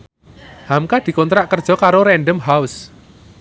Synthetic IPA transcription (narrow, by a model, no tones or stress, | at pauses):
hamkad̪̥i̤kɔnt̪ɾaʔkərd̥ʒ̥ɔ̤kaɾoɾɛnɖəmɦaʊs